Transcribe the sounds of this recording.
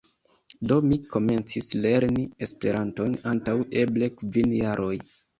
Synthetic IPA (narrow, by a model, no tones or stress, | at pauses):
do̞miko̞me̞nt͡sisle̞ɾnie̞spe̞ɾʔanto̞nantawe̞ble̞kvinjaɾʔo̞j